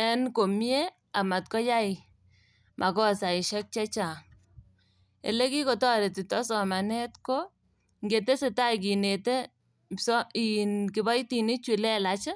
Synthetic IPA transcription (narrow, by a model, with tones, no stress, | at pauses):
ɛ˦nko˨mje˦ | a˨ma˨t̚kɔ˦ja˦ɪ | mʔa˨kɔ˦˨sa˨ɪ˨ʃɛ˦k̚t͡ʃa˦t͡ʃa˨ | ḛ˨le˦ki˦ko˨tɔ˦ɾe˨ti˨tɔ˦sɔ˨ma˨nɛ˦tko˦ | ŋɡe˨te˦se˨ta˦k̬i˨ne˨te˦ | sinkɪ˨bɔ˦jti˨ni˦t͡ʃwi˨lɛ˦la˨t͡ʃɪ˦